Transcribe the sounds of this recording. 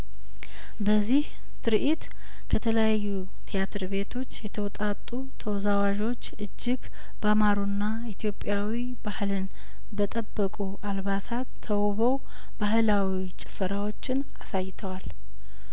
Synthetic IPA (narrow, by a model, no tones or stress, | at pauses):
bəzːih | t̪ʰɨɾʔit̪ | kʰət̪ʰələjajːu | t̪ʰijat̪ʰɨɾbe̞t̪ʰo̞t͡ʃːjɛt̪ʰəwɔt̪ʼat̪ʼːu | t̪ʰəwzawaʒo̞t͡ʃːɨd͡ʒːɪɡ | bamaɾunːa | it̪ʰjo̞pʼːjawi | bahlɨn | bət̪ʼəbːəkʼuʔalβasat̪ʰːəwβəw | baɦɨlawit͡ʃʼɪ̥fəɾawo̞t͡ʃːɪn | asajːt̪ʰəwal